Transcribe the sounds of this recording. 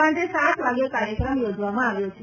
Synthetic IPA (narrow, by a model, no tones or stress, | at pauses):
ãɳʈ̪esat̪ʋaɡjekaɾjəkɾəmjod͡ʒʋamãaʋjot͡ʃʰe